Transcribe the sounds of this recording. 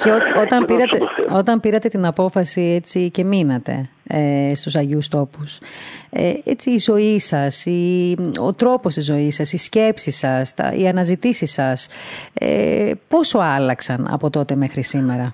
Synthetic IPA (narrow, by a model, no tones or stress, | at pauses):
ceoo̞t̪ɐmpiɾɐt̪eo̞t̪ɐmpiɾɐt̪e̞t̪inɐpo̞fɐsiet͡sice̞minɐt̪e̞̰ | st̪usɐʝeust̪o̞pusḛḛt͡siːzo̞isɐsio̞̰t̪ɾo̞po̞st̪izo̞isɐsisce̞psisɐst̪ɐ̰ḭɐnɐzit̪isisɐsḛpo̞so̞ɐlɐksɐnɐ̰po̞t̪o̞t̪e̞me̞xɾisime̞ɾɐ